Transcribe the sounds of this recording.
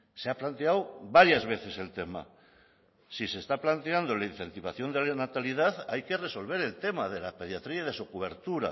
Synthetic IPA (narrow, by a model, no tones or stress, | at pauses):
seaplant̪eawβaɾjazβ̞e̞θe̞se̞lt̪e̞ma̰ | sisest̪aplant̪eand̪olain̟θe̞nt̪iβ̞aθjo̞nd̪elanat̪alið̞aðajke̞re̞so̞lβ̞e̞ɾe̞lt̪e̞maðe̞lapeð̞jat̪ɾiaðesokuβ̞e̞ɾt̪uɾa̰